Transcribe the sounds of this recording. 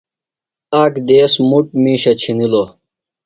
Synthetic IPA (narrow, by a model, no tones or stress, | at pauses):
aːkd̪eːsmuʈ̚miːɕɐt͡ɕʰinilo